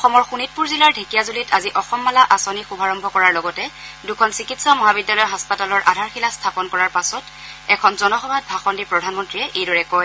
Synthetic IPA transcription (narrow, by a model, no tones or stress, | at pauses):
ɔxɔmɔɹxunit̚puɹzilaɹdʱekijazulitaziʔɔxɔmːalaʔasɔnixubʱaɹɔmbʱɔkɔɹaɹlɔɡɔtɛdukʰɔnsikitsamɔɦabidjalɔjɦaspatalɔɹʔa̰dʱaɹxilastʰapɔnkɔɹaɹpasɔt | ɛkʰɔnzɔnɔxɔbʱat̚bʱaxɔndipɹɔdʱanmɔntɹiɛʔejdɔɹɛkɔj